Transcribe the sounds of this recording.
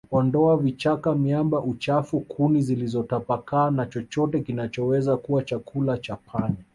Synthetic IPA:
ɔndɔavit͡ʃakamjambaʔut͡ʃafukʰunizilizɔtapakaːnat͡ʃɔt͡ʃɔtɛkinat͡ʃɔwɛzakuwat͡ʃakʰulat͡ʃapʰaɲa

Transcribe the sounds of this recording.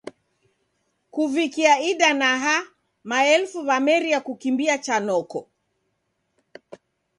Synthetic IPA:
kuvikiaiɗanaɦa | maɛlfuβamɛɾiakukimbiat͡ʃanɔkɔ

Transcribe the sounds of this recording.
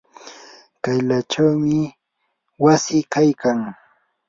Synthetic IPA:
kajlat͡ʃawmɪ | wasɪkajkaŋ

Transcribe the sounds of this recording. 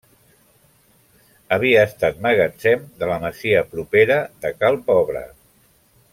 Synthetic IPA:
əβiəːst̪at̪məɣat͡sɛmd̪ələməziəpɾupeɾəðəkalˠpɔβɾə̰

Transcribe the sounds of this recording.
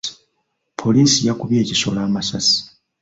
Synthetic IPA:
pʰo̞liːsijakuβje̞ːciso̞̰laːmasasi̥

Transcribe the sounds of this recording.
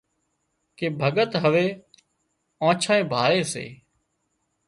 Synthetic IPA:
keːbʱəɠət̪ɦəʋeː | ãːt͡ʃʰaːẽːbʱaːɾeːsḛː

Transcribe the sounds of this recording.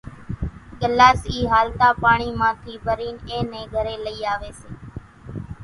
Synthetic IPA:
ɠəlːaːsiːɦaːlt̪aːpaːɳiːmãːk̪ʰiːbəɾiːnẽːnẽːɡʱəɾeːləiːaːʋeːseː

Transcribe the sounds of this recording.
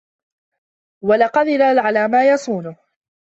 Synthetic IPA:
walaqɑðɪlalʕalaːmaːjɑsˤuːnʊh

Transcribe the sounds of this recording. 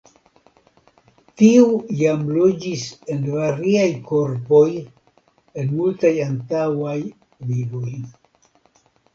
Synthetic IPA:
tiujamlo̞d͡ʒise̞nvaɾiajko̞ɾpo̞j | e̞nmultajantawaj | vivo̞j

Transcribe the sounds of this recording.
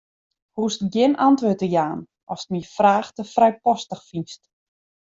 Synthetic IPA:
hustɡjɪnantʋøːtəjaːn | ʔɔstnifraːxtəfrɛjpɔstəxfinst

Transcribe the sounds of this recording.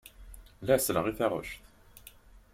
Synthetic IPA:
læsləʁiθæʁʊ̰ʃθ

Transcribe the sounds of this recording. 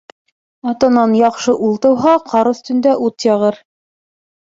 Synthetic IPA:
ɑt̪ɑnɑnjɑqʃɤʔulˠt̪ɤ̆wɦɑqʰɑɾɵ̆θt̪ɵ̆nd̪æʔut̪jɑʁɤɾ

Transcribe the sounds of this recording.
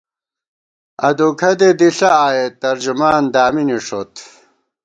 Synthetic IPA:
ɐd̪ukʰɐd̪ed̪iɬɐaːjet̪ɐɾd͡ʑumaːnd̪aːminiʂot̪

